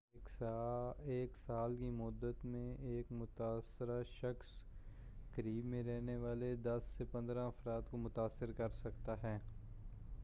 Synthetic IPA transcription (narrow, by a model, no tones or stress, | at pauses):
eːksaːlkimʊd̪ːət̪mẽeːkmʊt̪aːsɪɾaʃɐxs | kɐɾiːbmẽɾɛɦneʋaːled̪ɐsːepɐ̃nd̪ɾãɐfɾaːd̪komʊt̪aːsːɪɾkɐɾsɐkt̪aɦɛː